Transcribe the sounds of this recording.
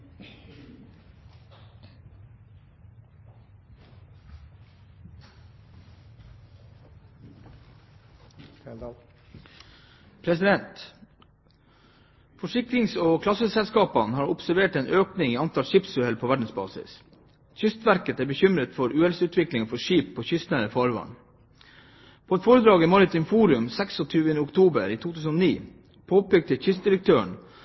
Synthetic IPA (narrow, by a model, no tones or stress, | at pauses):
pʰɾɛsɪd̪ɛnt̪ | fɔʂɪk̚tɾɪŋsoːkʰlɑsəsɛlskɑːpɑnhɑːɾʊpsæɾʋeːʈɛːnʔøːknɪŋiːɑnt̪ʰɑlʂɪpsʉɛlpʰoːʋæɖɳ̩sbɑ̰ːsɪ̰s | çʏst̪ʋæɾkət̪æːbəçʏmɾət̪fɔɾʉːɛlsʉːt̪ʋɪklɪŋfɔʂiːppʰoːçʏst̪næːɾəfɔɾʋɑ̰n | pʰoːɛt̪foːɾəd̪ɾɑːɡiːmɑɾɪt̪ʰiːmfuːɾʉmsɛksɔt̪ʰyːʋənəʊkt̪ʰuːbəɾiːt̪ʰuːt̪ʰʉːsənoːniː | pʰoːpɛɡ̚t̪ʰɪçʏst̪̚d̪ɪɾək̚t̪ʰøːəɳ